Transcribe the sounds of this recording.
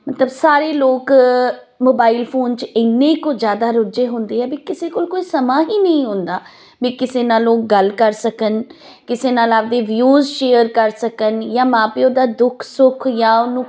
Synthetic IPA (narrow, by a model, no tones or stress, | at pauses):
mət̪ləbsaːɾeːloːk | moːbaːilpʰoːnt͡ʃɪnːẽːiːkoːd͡ʒjaːd̪aːɾʊd͡ʒeːɦʊ̃nd̪eːɦɛːbiːkɪseːkoːlkoːiːsəmãːɦiːnəĩːɦʊ̃nd̪aː | biːkɪseːnaːlːoːk̚ɡəlkəɾsəkən | kɪseːnaːlaːp̚d̪eːʋjuːzʃeːəɾkəɾsəkənjãːmãːpeːoːd̪aːd̪ʊkʰsʊkʰjãːʊnːũː